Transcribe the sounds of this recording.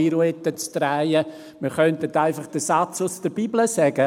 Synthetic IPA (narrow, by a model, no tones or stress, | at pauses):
ɪɾuɛtət͡stɾaɪjə | məɾχœntətaɪfɑχd̥əsat͡sʊsd̥əɾbibləsɛɡ̥ə